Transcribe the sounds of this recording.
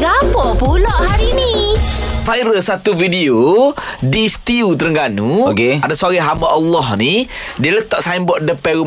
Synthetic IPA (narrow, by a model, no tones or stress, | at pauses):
ɡabɔpuloʔhaɾini | fajɾəsat̪uvidiodist̪iut̪əɾəŋɡanuokeadasaɾiɦambaʔːlːɔhnidiələt̪ɔʔsajəmbɔʔdəpɛɣu